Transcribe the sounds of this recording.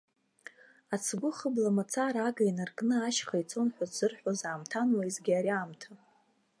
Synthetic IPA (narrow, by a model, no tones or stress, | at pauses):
at͡sʰɡʷʊχəblamat͡sʰaɾaɡainarkʼnɨaʃχajt͡sʰo̞nħʷazɨrħʷᶣazʕamtʰanwaizɡʲiaɾiaːmtʰa